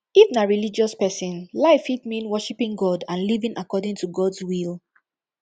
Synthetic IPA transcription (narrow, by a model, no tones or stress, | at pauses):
ifnaɹilid͡ʒɔspɛsĩnlaɪfit̚mĩnwɔʃipĩŋɡɔdãnlivĩŋʔakɔdɪ̃ŋtʰuɡɔdzwilˠ